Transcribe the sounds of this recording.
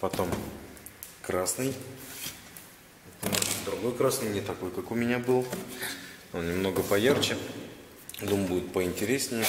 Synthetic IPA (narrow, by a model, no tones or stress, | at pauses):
pɐt̪o̞m | kɾasnɨj | d̪ɾʊɡo̞jkɾasnɨjnʲɪt̪ɐko̞jkakʊmʲɪnʲabɨlˠ | onʲɪmno̞ɡəpɐjart͡ɕɪ | d̪umbudʲɪt̪pəɪnʲtʲɪɾʲesʲnʲɪj